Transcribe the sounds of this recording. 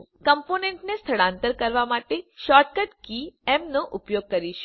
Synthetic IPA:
kəmponeɳʈnest̪ʰəɭãnt̪əɾkəɾʋamaʈeʃɔʈ̚kəʈkiɛmnoʔʊpjoɡ̚kəɾiʃ

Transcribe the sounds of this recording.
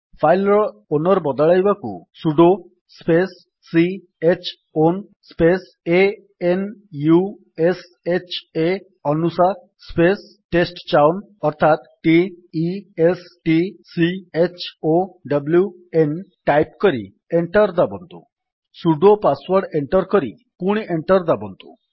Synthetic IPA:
fajlɔɭonɔɾbɔd̪ɭajbakṵsuɖo | spesː | i | et͡ʃʰ | on | spes | e | enju | es | et͡ʃʰe | ənusa | spes | ʈesʈt͡ʃawn | əɾt̪ʰat̪ʈiiesʈisiet͡ɕʰoɖəblju | enʈajpkəɾḭ | eɳʈəɾd̪abə̃nt̪o̰ | suɖopasʋəɾɽeɳʈəɾkəɾḭ | kuɳ̃ieɳʈəɾd̪abə̰nt̪o̰

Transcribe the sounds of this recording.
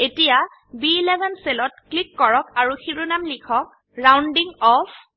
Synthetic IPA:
etija | biːlɛbʱɛnselɔtklikːɔɹɔkaɹuxiɹunamlikʰɔk̚ | ɹawndiŋɔpʰ

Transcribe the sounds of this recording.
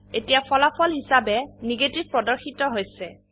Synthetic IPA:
etijapʰɔlapʰɔlɦisabɛniɡetib̚pɹɔdɔɹxitɔɦojsɛ

